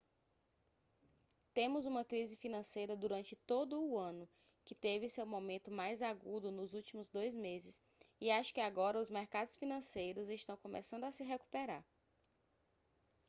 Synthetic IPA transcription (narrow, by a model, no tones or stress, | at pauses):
t̪ẽmʊzũmɐkɾizɪfinɐ̃sejɾɐd̪uɾɐ̃nt͡ʃɪt̪od̪ʊːɐ̃nʊ | kɪt̪evɪsewmomẽnt̪ʊmajzaɡud̪ʊnʊzut͡ʃimʊzd̪ojzmezɪs | ɪaʃʊ̥kɪaɡɔɾɐʊzmeɾkad̪ʊsfinɐ̃sejɾʊzɪʃt̪ɐ̃w̃kõmḛsɐ̃nd̪ʊasɪɦeku̥peɾaɾ